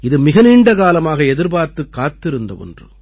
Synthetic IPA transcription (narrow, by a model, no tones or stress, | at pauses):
ɪðɯmɪɣɐniːɳɖɐkaːlɐmaːɣɐɛðɪɾbaːɾt̪ːɯkːaːt̪ːɪɾɯnd̪ɐ̰ɔ̰ndrɯ̰